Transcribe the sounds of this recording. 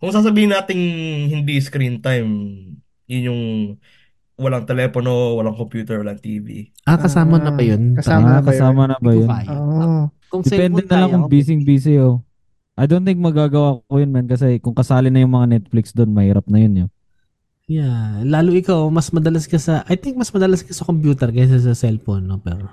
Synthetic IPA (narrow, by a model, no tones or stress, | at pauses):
kʊŋs̬aːs̬ɐbiːhɪnːaːt̪ɪŋhɪnd̪iskɾint̪ajm | jʊnjʊŋ | wɐlaŋt̪ɛlɛːpono̞wɐlaŋkompjuːt̪ɛɹwɐlaŋt̪iːvḭʔakɐsaːmɐnɐbɐjonːkɐsaːmɐnɐbɐjonj | kʊŋd̪ɛpɛnd̪ɛnɐlaŋkʊŋbiːs̬ɪŋbiːsɪo | ʔɐjd̪ont̪ɪŋk̚mɐɡaːɡɐwaːkokojonmɛnkɐs̬ɛkʊŋkɐsaːlɪnɐjʊŋmɐŋanɛt̪̚flɪksd̪onmɐhiːɾɐp̚nɐjonjo | jalaːlʊʔɪkawmɐsmɐd̪ɐlaskɐsɐʔɐjt̪ɪŋk̚mɐsmɐd̪ɐlaskɐsɐkompjuːt̪ɛɾɡɐs̬ɛs̬ɐsɛlfonːopɛɾ